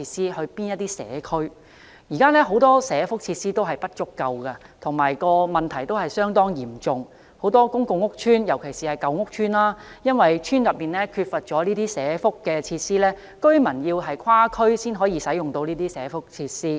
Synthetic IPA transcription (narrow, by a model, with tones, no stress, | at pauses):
iː˧siː˥hɵ˧ɥpiː˥njɐ˥t̚t̪iː˥sɛ̰ː˨˦˥kʰɵ˥ɥ | jiː˨˩kaː˥lɛː˥ɦo˨˥wt̪ɔː˥sɛː˨˥fʊ˥k̚t͡sʰiː˧t̚siː˥t̪o˥wɦɐ˨jpɐ˥t̚t͡ʃʊ˥kːɐ˨wkɐ˧t̪ʰʊ˨˩ŋmaː˨˩jkɔː˧mɐ˨nt̪ʰɐ˨˩jt̪o˥whɐ˨jsœː˥ŋt̪ɔː˥ŋjiː˨˩mt͡sʊ˨ŋ | ho˨˥wt̪ɔː˥kʊ˥ŋkʊ˨˧ŋːʊ˥k̚t͡ʃʰyː˥njɐ˨˩wkʰe˨˩jsiː˨˩hɐ˨jkɐ˨˧wŋʊ˥k̚t͡ʃʰyː˥nlaː˥jɐ˥nwɐ˨jt͡ʃʰyː˥njɐ˨˩p̚miː˨˩nɛː˥kʰyː˧t̚fɐ˨t̚t͡ʃɔː˨˥liː˥t̪iː˥sɛː˨˥fʊ˥kːɛ˧t͡sʰiː˧tsiː˥lɛː˥ | kɵ˥ɥmɐ˨˩njiː˧wɦɐ˨jkʰwaː˥kʰɵ˥ɥsiː˥nɦɔː˨˥jiː˧sɐ˨˥jʊ˨ŋt̪o˧wniː˥t̪iː˥sɛː˨˥fʊ˥k̚t͡sʰiː˧t̚siː˥